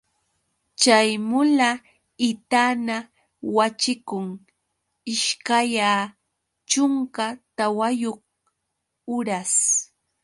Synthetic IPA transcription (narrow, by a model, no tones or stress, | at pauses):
t͡ʃajmʊla | ɪt̪ana | wat͡ʃɪkʊŋ | ɪʃkajaː | t͡ʃʊŋkat̪awajoχ | ʊɾas